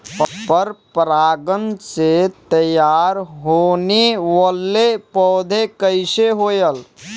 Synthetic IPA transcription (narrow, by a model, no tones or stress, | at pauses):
ppəɾpɾaːɡənset̪əjaːɾɦoːneʋəlːepɔːd̪ʱekəɪseɦoːjəl